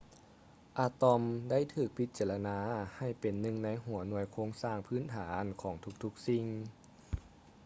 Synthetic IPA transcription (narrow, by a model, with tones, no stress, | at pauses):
ʔaː˧t̪ɔ˧mda˥˩jt̪ʰɯː˧˩k̚pʰi˦˥t̪̚t͡ɕaː˧˩la˧naː˧˥ha˧˩jpe˨˩nːɯ˧ŋna˧˥jɦu˨˩˦ɐnu˧˩əjkʰoː˧˥˩ŋsaː˧˩ŋpʰɯː˥˨nt̪ʰaː˩˦nkʰɔː˩˦ŋt̪ʰu˧˥k̚t̪ʰu˧˥k̚si˧˩ŋ